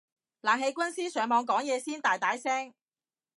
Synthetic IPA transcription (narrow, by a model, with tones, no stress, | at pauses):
laː˨˩ŋɦe˧jkʷɐ˥nsiː˥sœː˨˩ŋmɔː˨˧ŋkɔː˨˥ŋjɛː˨˧siː˥nt̪aː˨˩jt̪aː˨˥jsɛː˥ŋ